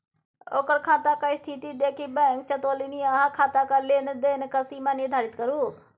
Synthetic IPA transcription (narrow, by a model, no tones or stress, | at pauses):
oːkəɾkʰaːt̪aːkaist̪ʰit̪iːd̪eːkibɛ̃ŋk̚t͡ʃət̪oːliːniːaɦaːkʰaːt̪aːkaleːnd̪eːnkəsiːmaːnod̪ʱaːɾɪt̪kəɾuː